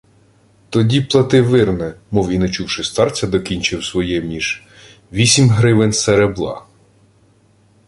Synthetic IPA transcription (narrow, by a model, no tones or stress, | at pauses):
t̪ɔdʲiplˠɐt̪ɪʋɪrnɛmɔwinet͡ʃuwʃɪst̪ɑrt͡sʲɐd̪ɔkʲinʲt͡ʃɪwsʋɔjɛmʲiʒ | ʋʲisʲimɦɾɪʋɪnseɾeblˠɑ̰